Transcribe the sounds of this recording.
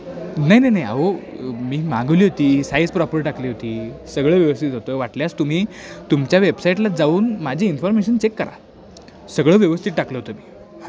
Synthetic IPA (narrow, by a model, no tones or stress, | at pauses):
najnajnaja̰ʋomiːmãŋɡʋliːɦot̪iːsajspɾɔpəɾʈakliːɦot̪iːsəɡɭəːʋjəʋəst̪ʰit̪ɦot̪əʋaʈljast̪um̤iːt̪umt͡ɕjaʋebsaiʈlad͡zauːnmad͡ʑʱiːnfɔɾmeɕənt͡ɕekːəɾa̰ | səɡɭəːʋjəʋəst̪ʰit̪̚ʈakləɦot̪əmiː